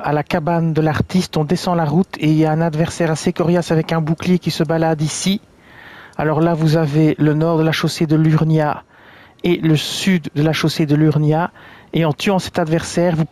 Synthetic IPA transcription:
alakaband̪əlaʁt̪ist̪ɔ̃d̪esɑ̃laʁut̪ʰeiljaɛ̃nad̪vɛʁsɛːʁasekɔʁjasavɛkɛ̃bukljekʲisəbalad̪isi | a̰lɔʁlavuzavelənɔːʁd̪əlaʃosed̪əlyʁnja | eləsyd̪ːəlaʃosed̪əlyʁnjaeɑ̃t̪yɑ̃sɛ̥t̪ad̪vɛʁsɛːʁvu

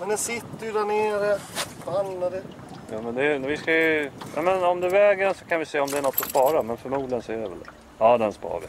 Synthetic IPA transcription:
mɛnd̪ɛnsɪt̪ːəjd̪æɳeːɾəbanːad̪ɛ | jɑːmɛnd̪ɛvɪskajɵjʔa̰mɛnɔmd̪ɵvɛːɡəɖɛnsɔkʰanvɪseːɔmd̪ɛæɳɔt̪ʰːɔspɑːɾamɛnfœɾmuːd̪lənsɔɛdɛvɛ̰ld̪ɛ̰ | ɑːd̪ɛnspɑ̰ːɾə̰

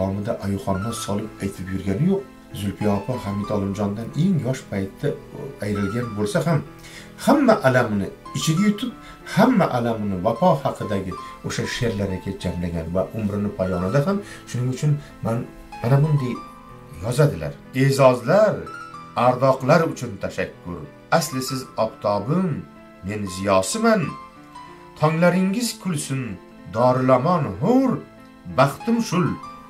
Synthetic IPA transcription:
ɒmɪd̪aʔajʊχɒnːasɒlˠɪp̚ajt̪ʰɪpjʊɾɡʲanɪjoq̚ | zʊlˠpʰɪjɒpʰahamɪd̪ɒlˠɪmd͡ʒɒnd̪ane̞ŋjɒʃpʰajt̪ʰːaajɾɪlɡʲanbolˠsaham | hamːaʔalamɪnɪɪt͡ʃʰɪɡʲajʊt̪ʰɪp̚ | hamːaʔalamɪnɪvapʰɒhɑqʰɨd̪aɡʲɪoʃaʃe̞ɾlaɾɪkʲʰad͡ʒamlaɡʲanvaʔʊmɾɪnɪpʰajɒnad̪aɦamʃʊnɪŋʊt͡ʃʰʊn | man | manamʊnd̪aj | jɒzad̪ɪla̰ɾ | e̞zɒzlaɾaɾd̪ɒqlˠaɾʊt͡ʃʰʊnt̪ʰaʃakʲʰːʊ̰ɾ | aslɪsɪzɒbt̪ʰɒbɪmː | e̞nzɪjɒsɪman | t̪ʰɒŋlaɾɪŋɪz̥kʰʊlsʊn | d̪ɒːɾɪlamɒnɦʊɾ | baχt̪ʰɪmʃʊl

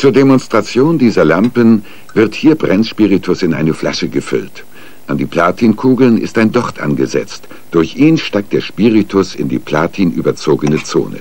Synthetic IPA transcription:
t͡suːɐdemɔnstʁ̥at͡sjoːndiːzɐlampən | vɪɐthiːɐbʁɛnʃpiʁitʰʊsɪnʔa̰ɪnəfla̰ʃəɡəfʏ̰lt | ʔandiːpʰl̥aːtʰiːnkʰuːɡl̩nɪ̰staɪndɔʁtʔa̰nɡəzɛ̰t͡st | d̥ʊɐçʔiːnʃtaɪk̚t̚d̥eːɐʃpiʁitʰʊsɪ̰ndḭːpʰl̥aːtʰiːnʔyːbɐt͡soːɡənət͡so̰ːnə̰

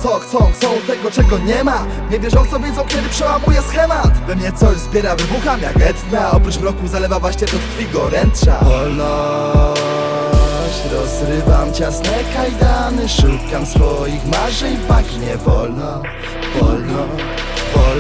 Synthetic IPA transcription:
sɔt̪ɔt̪sɔt̪ɛɡɔt͡ʂɛɡɔɲɛma | ɲɛvʲjɛʂɔt̪sɔvʲjɛzɔ̃w̃kʲɛd̪ɘpʂɛwamujɛsxɛmat̪bɛmɲɛt̪sɔɕzbʲjɛɾavɘbuxamʲja̰ɡɛt̪t̪vʲaɔpɾut͡ʂmɾɔkuzalɛvavwaɕɲɛp̪ɔt̪tfʲiɡɔɾɛnt̪ʂa̰vɔlnɔ | ɕt͡ɕɾɔzɾɪvamt͡ɕasnɛkajd̪anɘʂut̪kamsfɔjixmaʐɛjpakɲɛvɔ̰lnɔ | vɔlnɔ | vɔ

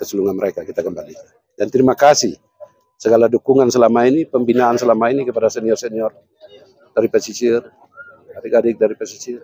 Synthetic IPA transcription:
kəsəluŋanməɾekakit̪akəmbali | dant̪ɾimakasih | səɡaladukuŋansəlamainipəmbinaansəlamainikəpadasɛniɔrsɛniɔr | d̥aɾipasit͡ʃir | adiɡadɪk̚daɾipasit͡ʃir

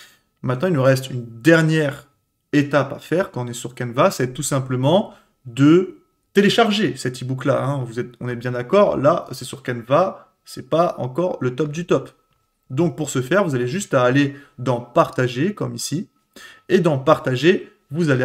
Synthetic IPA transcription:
mɛ̃t̪nɑ̃ilnuʁɛst̪ynd̪ɛʁnjɛʁ | et̪apa̰fɛʁkɑ̃ɔ̃nɛsyʁkɛnvasɛt̪usɛ̃pləmɑ̃ | d̪ə | t̪eleʃaʁʒesɛt̪ibukla̰ɛ̃vuzɛt̪ɔ̃nɛtbjɛ̃d̪akɔʁlasɛsyʁkɛnva | sɛpaɑ̰̃kɔʁlət̪ɔp̚d̪yt̪ɔp | d̪ɔ̃k̚puʁsəfɛʁvuzaleʒyst̪aːled̪ɑ̃paʁt̪aʒekɔ̰misi | ed̪ɑ̃paʁt̪aʒe | vuzale

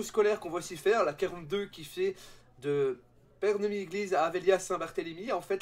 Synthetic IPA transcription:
oskɔlɛʁkɔ̃vaosifɛːʁlakaʁɑ̃t̪̚d̪økʲifɛd̪ə | pɛʁnəmieɡlizaːveljasɛ̃baʁt̪elimiɑ̃fɛt̪

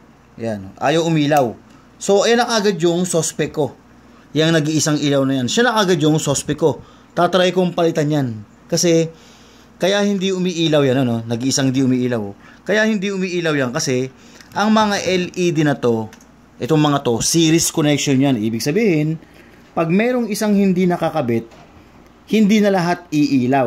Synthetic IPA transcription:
janoʔa̰ːjowʔʊmiːlɐw | so̞ʔɐjanɐŋaːɡad̪jʊŋsospɛkːo̞ | jɐŋnɐɡiʔɪsaŋʔiːlɐwnɐjanʃanɐkaɡad̪jʊŋsospɛkːo̞ | t̪aːt̪ɐɾajkoŋpɐlɪt̪anjan | kɐsɛ | kɐjahɪnd̪iʊmiːʔiːlɐwjanɐno̞nɐɡiʔɪsaŋhɪnd̪iʊmiːʔiːlɐw | kɐjahɪnd̪iʔʊmiːʔiːlɐwjankɐsɛ | ʔɐŋmɐŋaʔɛlid̪ɪnɐt̪o̞ | ʔɛt̪oŋmɐŋat̪o̞siːɾɪskonɛkʃonjanʔḭːbɪɡsɐbiːhɪn | pɐɡ̚mɛːɾo̞ŋɪsaŋhɪnd̪inɐkɐkɐbɪt̪̚ | hɪnd̪inɐlɐɦat̪̚iʔiːlaw

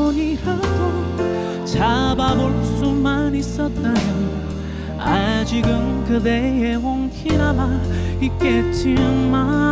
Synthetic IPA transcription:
ɲihʌtʰo | t͡ɕababoɭs͈umanis͈ʌt̚t͈amjo | ad͡ʑiɡɯnkɯd̪ejewoŋkʰiɾamaik͈et͡ɕʰiɯnma

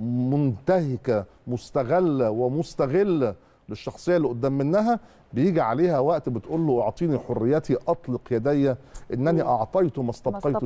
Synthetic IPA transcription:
mʊnt̪æhɪkæ | mʊst̪æɣælːæwemʊst̪æɣelːæ | leʃːɑxsˤejːɑlːiʔod̪ːæːmːenːæɦæ | bejiːɡiʕaleːhæwæʔt̪bet̪ʔuːlːoʔɑʕt̪ˤiːniħorːejːæt̪ʰiʔɑt̪ˤleqjæd̪æjːæʔenːʔæniʔɑʕt̪ˤɑjt̪omæst̪ɑbqɑj̪

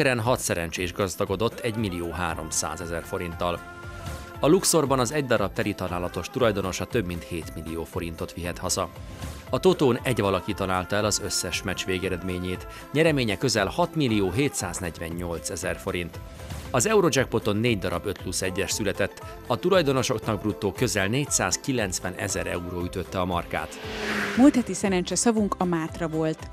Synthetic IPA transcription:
ɛɾɛnɦɒt̪sɛɾɛnt͡ʃeːʒɡɒzd̪ɒɡo̞d̪o̞t̪ʰːɛɟmilioːɦaːɾo̞̰msa̰ːzɛzɛrfo̞ɾint̪ːɒl | ɒlukso̞rbɒnɒzɛɟd̪ɒɾɒb̚t̪ɛɾit̪ɒlaːlɒt̪o̞ʃt̪ulɒjd̪o̞no̞ʃɒt̪ø̞bmin̪t̪heːt̪milioːfo̞ɾin̪t̪o̞t̪ʋiɦɛt̪hɒzɒ | ɒt̪o̞t̪oːnɛɟʋɒlɒkit̪ɒlaːlt̪ɒɛlɒzøsːɛʃmɛt͡ʃʋeːɡɛɾɛd̪meːɲeːt̪ | ɲɛɾɛmeːɲɛkøzɛlhɒt̪milːijoːɦeːt̪saːznɛɟʋɛɲːo̞lt̪sɛzɛrfo̞ɾint̪ | ɒzɛuɾo̞d͡ʒɛk̚po̞t̪o̞nːeːɟd̪ɒɾɒbø̞t̪plusɛɟːɛʃsylɛt̪ɛt̪ː | ɒt̪ulɒjd̪ono̞ʃo̞knɒɡ̚brut̪ːoːkø̞zɛlneːcsaːskilɛnt̪sʋɛnʔɛ̰zɛɾɛ̰uɾoːyt̪ø̞t̪ːɛɒmɒrka̰ːt̪mult̪hɛt̪isɛɾɛnt͡ʃɛsɒvuŋkɒmaːt̪rɒvo̞lt̪

